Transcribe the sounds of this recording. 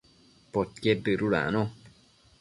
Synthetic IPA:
pot̪̚ked̪ɨɾula̰nõ

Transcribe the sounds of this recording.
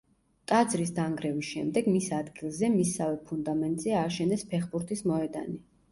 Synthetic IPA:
t̪ʼad̪zɾis̬d̪aŋɡɾɛvisʃɛ̰md̪ɛɡmisad̪ɡilˠzɛmisavɛpʰund̪amɛnt̪ʼzɛaːʃɛnɛspʰɛχbuɾt̪ʰismɔɛd̪a̰ni

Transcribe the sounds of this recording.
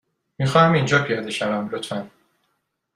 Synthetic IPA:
miːxɒːhæmind͡ʒɒːpʰijɒːd̪e̞ʃævæmlot̪ʰmæn

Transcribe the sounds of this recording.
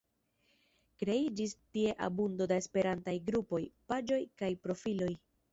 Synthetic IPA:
kɾe̞id͡ʒistie̞ʔa̰bundo̞dae̞spe̞ɾantajɡɾupo̞jpad͡ʒo̞jkajpɾo̞filo̞j

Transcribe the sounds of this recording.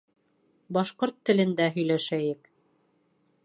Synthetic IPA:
bɑʃqoɾt̪ːɘ̆lɘ̆nd̪æɦɵ̆jlæʃæjɘk

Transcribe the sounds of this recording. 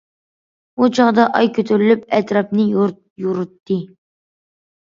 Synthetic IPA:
ut͡ʃʰɑʁd̪ɑʔɑjkʲʰøt̪ʰyɾylyp̚ɛt̪ɾɑpnɨ | juɾut̪ːɨ

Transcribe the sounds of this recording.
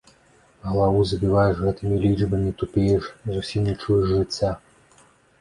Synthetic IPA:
ɣɐlˠavujzɐbʲivajɛʐɣɛt̪ɨmʲilʲid͡ʐbɐmʲit̪upʲejɛʂzusʲimnʲɛt͡ʂujɛʐʐɨt͡sʲːa

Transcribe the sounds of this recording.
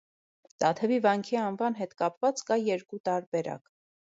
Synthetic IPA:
t̪ɑt̪ʰəvivɑŋkʰiɑnvɑnɦɛt̪kɑpvɑt͡skɑjɛɾkut̪ɑɾbɛɾɑ̰k

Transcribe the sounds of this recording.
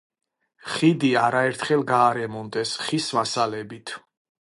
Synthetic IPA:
χid̪iaɾaɛɾt̪ʰχɛlˠɡaːɾɛmɔnd̪ɛsχisvasalɛbit̪ʰ

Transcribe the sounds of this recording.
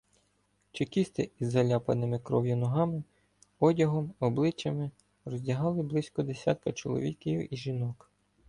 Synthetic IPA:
t͡ʃekʲist̪ɪizːɐlʲɑpɐ̰nɪmɪkɾɔwjʊnɔɦɑmɪ | ɔdʲɐɦɔmɔblˠɪt͡ʃɐmɪ | rɔzʲdʲɐɦɑlˠɪblˠɪsʲkɔd̪esʲa̰t̪̚kɐt͡ʃɔ̰lˠɔ̰ʋʲikʲijʊʔiʒinɔk

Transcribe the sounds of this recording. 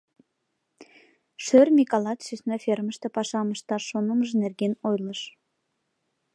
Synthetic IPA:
ʃørmʲikɑlˠɑt̪ʃysʲnɑfermə̆ʃt̪ĕpɑʃɑməʃt̪ɑʃonəməʒənerɡʲenojlˠɤʃ

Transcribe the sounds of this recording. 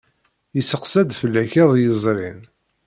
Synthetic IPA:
jəsəqsæd̪fəlːæçæðˤjəzˤɾin

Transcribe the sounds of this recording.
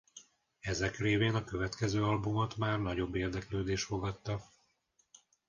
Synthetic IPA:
ɛzɛkreːveːnɒkøvɛt̪kɛzøːɒlbumot̪maːrnɒɟo̞bːeːrd̪ɛkløːd̪eːʃt̪fo̞ɡɒt̪ːɒ

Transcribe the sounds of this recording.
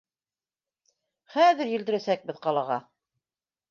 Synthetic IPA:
χæðɘɾjɘ̆ld̪ɘ̆ɾæsæk̚bɘðqɑlˠɑʁɑ

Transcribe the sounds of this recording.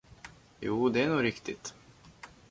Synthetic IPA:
juːd̪ɛænuːɾɪkt̪ɪt̪

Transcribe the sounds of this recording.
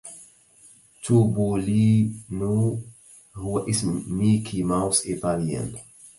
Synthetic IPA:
tʰubolinu | huʔismikʰimawsit̪aliə̰̃n

